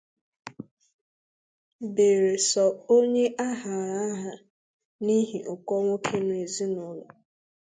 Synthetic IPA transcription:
be˨ɾe˨sɔ˨o˦ɲe˦ʔa˦ɦa˨ɾa˦ɦa˨ | ni˦ɦi˨ʔʊ˨kɔ˦ŋo˦kʰe˦nʊ˨e˨zi˦nʊ˦lɔ˨

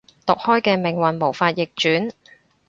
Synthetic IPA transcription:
t̪ʊ˨k̚hɔː˥jkɛː˧mɪ˨˩ŋwɐ˨nmo˨˩wfaː˧t̚jɪ˨k̚t͡ʃyː˨˥n

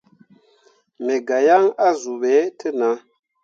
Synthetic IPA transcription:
me˨ɡa˨ja˦ŋa˦zu˨ɓɛ˨˦tʰə˦na˨˦

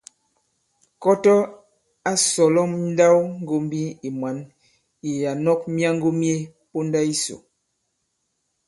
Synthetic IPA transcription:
kɔ˦tɔ˦ | a˦sɔ˨lɔ˦˨mn̩˦da˦wŋ˦ɡo˦m˦bi˦i˨mwa˨˦n | i˨ja˨nɔ˦k̚mi˦a˦ŋ˦ɡo˦mje˦po˦n˦da˦i˦so̰˨

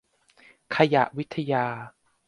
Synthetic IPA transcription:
kʰa˧ja˨˩ʔwi˦˥t̪ʰːa˧jaː˧

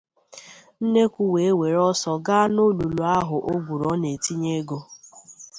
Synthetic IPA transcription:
n̩˦ne˦kʷu˦we˨e˦we˨ɾɔ˦sɔ˨ɡa˦no˦lu˨lu˨a˦ɦʊ˨ʔo˦bu˨ɾɔ˨˦ne˨ti˦ɲe˦ɡo˦

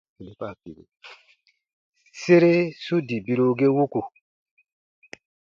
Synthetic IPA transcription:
i˨le˨pa˦˨pi˨lḛ˨ | se˦ɾe˦su˦di˨bi˦ɾo˦ɡe˦wu˦ku˨

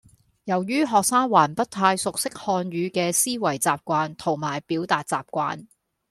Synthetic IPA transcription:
jɐ˨˩wjyː˥ɦɔː˨k̚saː˥ŋwaː˨˩npɐ˥t̚t̪ʰaː˧jsʊ˨k̚sɪ˥k̚hɔː˧njɥyː˨˧kɛː˧siː˥wɐ˨˩jt͡saː˨p̚kʷaː˧nt̪ʰo˨˩ŋmaː˨˩jpiː˨˥wt̪aː˨t̚t͡saː˨p̚kʷa̰ː˧n

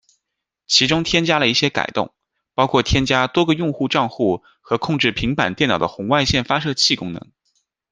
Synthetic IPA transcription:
t͡ɕʰi˧˥ʈ͡ʂʊ˥ŋt̪ʰjɛ˥nt͡ɕja˥lə˧i˥˩ɕjɛ˥ka̰˨˩ɪt̪ʊ̰˥˩ŋ | pɑ˥ʊkʰwɔ˥˩t̪ʰjɛ˥nt͡ɕja˥t̪wɔ˥ɡə˧jʊ˥˧ŋxu˥˧ʈ͡ʂɑ˥˧ŋxu˥˩ | xɤ˧˥kʰʊ˥˧ŋʈ͡ʂɻ̩˥˩pʰi˧˥ŋpa̰˨˩nt̪jɛ˥˩nɑ˨˩d̪ə˦xʊ˧˥ŋwa˥˧ɪɕjɛ˥˩nfa˥ʂɤ˥˧t͡ɕʰi˥˩kʊ˥ŋnɤ̰˧˥ŋ

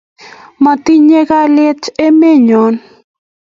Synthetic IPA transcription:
ma˨t̪i˦ɲe˦ɡa˦lɛ˦t͡ʃe˦me˦ɲɔ˨n

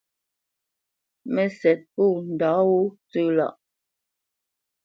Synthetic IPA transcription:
mɛ˨sɛ˨t̚pu˦˨n̩˨da˨˦wu˦t͡sʉ˦˨la̰˦˨ʔ

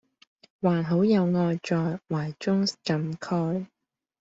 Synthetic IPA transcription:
waː˨˩nɦo˨˥wjɐ˨˧wŋɔː˧jt͡ʃɔː˨jwaː˨˩jt͡ʃʊ˥ŋkɐ˨mkʰɔː˥j

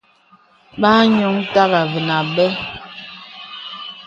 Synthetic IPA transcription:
ɓa˦ɲo˨˦ŋ˦ta˦ɣa˨və˨na˨ɓɛ˦

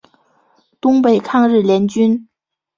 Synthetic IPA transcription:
t̪ʊ˥ŋpe˥˩ɪkʰɑ˥˧ŋɻɻ̩˥˩ljɛ˧˥nt͡ɕy˥n

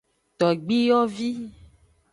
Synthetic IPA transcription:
t̪ɔ˨ɡ͡bi˦jɔ˦vi˦

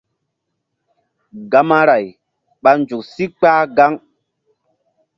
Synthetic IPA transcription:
ɡa˨ma˦ɾa˨j | ɓa˨nnd͡ʒu˨ksi˦k͡paː˦ɡa˦ŋ

